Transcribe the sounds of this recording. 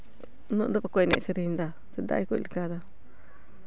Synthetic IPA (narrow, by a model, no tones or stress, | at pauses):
nũnd̪uβakʷenḛ̃ʔt͡ʃiɾind̪a | sind̪a̰ikʷlikaða